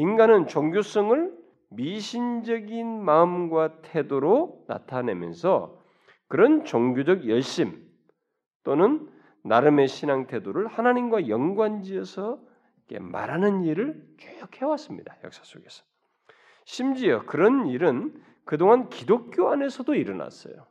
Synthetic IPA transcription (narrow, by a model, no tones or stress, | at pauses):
inɡanɯnt͡ɕoŋɡjos͈ʌŋɯɭ | miɕʰind͡ʑʌɡinmaɯmɡwatʰe̞doɾona̰tʰane̞̰mjʌ̰nsʰʌ | kɯɾʌnt͡ɕoŋɡjod͡ʑʌɡjʌɭɕ͈im | t͈onɯnː | aɾɯme̞ɕʰinaŋtʰe̞doɾɯɭhanaɲimɡwajʌŋɡwand͡ʑiʌsʰʌ | ike̞̰ma̰ɾanɯniɾɯɭkejʌk̚he̞was͈ɯmɲidajʌ̰k̚s͈ḁs͈oɡe̞sʰʌ̥ | ɕʰimd͡ʑiʌkɯɾʌniɾɯn | kɯdoŋɦankidok̚k͈joane̞sʰʌdoiɾʌna̰s͈ʌ̰jo̰